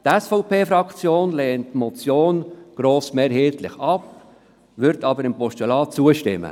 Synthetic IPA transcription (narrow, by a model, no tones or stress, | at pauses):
tɛsfɔʊpeːfɾɑkt͡sjoːnleːntːmɔt͡sjoːnɡ̥ɾoːsʊmeːɾheːtlɪxɑp | vʏɾtɑːbəɾɪmpɔʃɛlɑːt͡suəʃtɪmːə̰